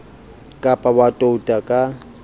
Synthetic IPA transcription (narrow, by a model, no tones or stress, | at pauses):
kʼapʼawatʼoutʼakʼa